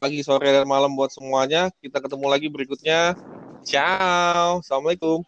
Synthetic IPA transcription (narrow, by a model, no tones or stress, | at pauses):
laɡisoɾiadarmalambuat̪səmuaɲakit̪akət̪əmulaɡibəɾikut̪̚ɲat͡ʃawsamait̪u